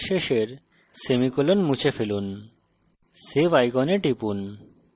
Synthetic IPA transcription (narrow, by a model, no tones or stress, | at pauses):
ʃeʃeɾ | semikulonmut͡ɕʰefelun | sebajɡɔneʈipun